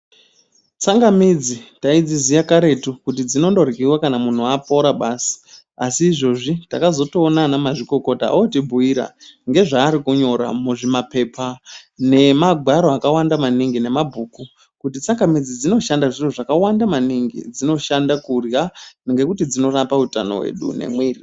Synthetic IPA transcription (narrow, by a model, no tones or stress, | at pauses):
t͡saŋɡamid͡zitaid͡zizijakaɾe̞tukut̬id͡zino̞ndo̞rikiwakanamun̤uapo̞ɾaɓaːsi̥ | asiːʐo̞ʐita̰kazo̞to̞ːnanamaʐiko̞ko̞ta̰otibʱuiɾa̰ŋɡe̞ʐaːɾikuɲo̞ɾa̰muʐimape̞pʰane̞maɡʱwaɾoakawandamaniŋɡine̞mabʱuːku | kutit͡saŋɡamid͡zid͡zino̞ʃandaʐiroʐakawandamaniŋɡḭd͡zino̞ʃandakurjaneŋɡe̞kutid͡zino̞rapauta̰no̞̰wḛɗṵne̞̰mwiːri